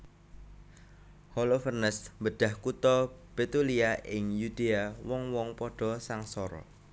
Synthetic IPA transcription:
holofərnəsmbəɖ̥a̤hkut̪ɔb̥et̪uliaʔɪŋjud̪̥eawɔŋwɔŋpɔɖ̥ɔ̤saŋsɔɾɔ̰

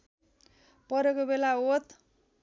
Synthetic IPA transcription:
pʌɾekobelaot̪

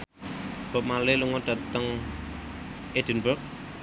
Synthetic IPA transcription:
b̥ə̤p̚maleluŋɔd̪̥a̤t̪əŋ | ed̥̪ə̤nbək̚

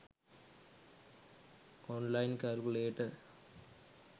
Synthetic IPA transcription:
oːnlɐjnkalkuɭeːjiʈːɨ

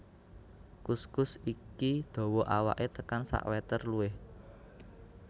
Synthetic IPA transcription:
kuskʊsikid̪̥ɔ̤wɔʔawa̰ʔet̪əkansa̰ʔwɛt̪ərluɪh

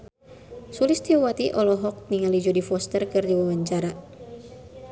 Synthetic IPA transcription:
sulist̪iwat̪iʔɔlɔɦɔk̚niŋalid͡ʒɔdifɔst̪ərkɨrdiwawaɲt͡ʃaɾa

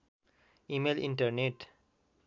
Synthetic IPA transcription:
imelḭɳʈəɾneʈ

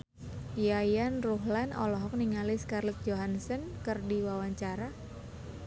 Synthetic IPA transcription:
jajanruɦlanɔ̰lɔɦɔk̚niŋaliskarlɛt̪̚d͡ʒoɦansənkərdiwawaɲt͡ʃaɾa

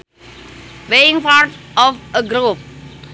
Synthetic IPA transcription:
ʋeːɪ̃ŋpaːɾʈɔʋəɡɾoːp̚

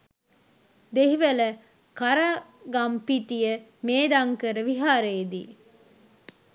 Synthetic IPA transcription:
d̪eɦiʋələ | kaɾaːɡampiʈijəmeːd̪ɐŋkəɾəʋiɦaːɾeːd̪ḭː

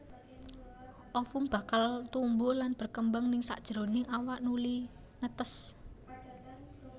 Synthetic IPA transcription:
ʔɔfumb̥a̤kalt̪umbʊlanb̥ə̤rkəmbəŋnɪŋsa̰ʔd̥ʒ̥ɾo̤nɪŋawaʔnuli | nət̪əs

